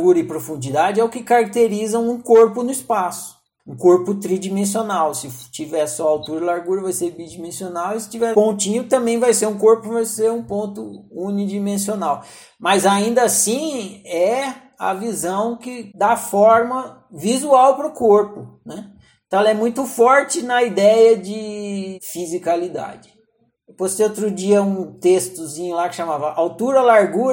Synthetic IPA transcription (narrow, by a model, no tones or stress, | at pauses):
ɡuɾɐɪpɾofũd͡ʒid̪ad͡ʒɪɛʊkɪkaɾak̚t̪eɾizɐ̃w̃ũkoɾpʊnʊispasʊ̥ | ũkoɾpʊt̪ɾid͡ʒimẽs̬ionawsɪt͡ʃivɛsɔawt̪uɾɐlaɾɡuɾɐvajsebid͡ʒimẽsionawɪsɪ̥t͡ʃivɛpõnt͡ʃĩɲʊt̪ɐ̃mbẽj̃vajseɾũkoɾpʊvajseɾũpõnt̪ʊunid͡ʒimẽsionaw | mɐzaĩnd̪ɐasĩɛ | ɐ̰vizɐ̃w̃kɪd̪afɔɾmɐ | vizuawpɾʊkoɾpʊnɛ | t̪ɐ̃ɛlɐɛmũj̃t̪ʊfɔɾt͡ʃɪnɐid̪ɛjɐd͡ʒɪfizikalid̪a̰d͡ʒɪ | post̪eot̪ɾʊd͡ʒiɐũt̪est̪ʊzĩɲʊlakɪʃamavɐʔawt̪uɾɐlaɾɡuɾ